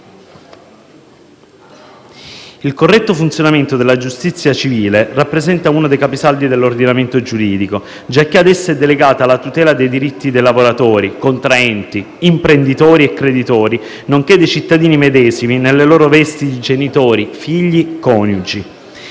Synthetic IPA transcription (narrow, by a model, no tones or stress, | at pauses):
ilkorːɛt̪ːofunt̪sjonament̪od̪elad͡ʒust̪it̪sːjat͡ʃiviːlerapːɾezɛnt̪auːnod̪ejkapisald̪id̪elːord̪inament̪od͡ʒuɾiːd̪iko | d͡ʒakːead̪ɛsːɛd̪ːeleɡaːt̪aːlːat̪ut̪ɛːlad̪ejd̪iɾit̪ːid̪ejlavoɾat̪oːɾikont̪ɾaɛnt̪i | impɾend̪it̪ɔːɾiekːɾed̪it̪ɔːɾi | noŋk̟ed̪ejt͡ʃit̪ːad̪iːnimed̪ɛːziminelːeloːɾovɛst̪id̪id͡ʒenit̪oːɾifiʎːikɔːnjud͡ʒi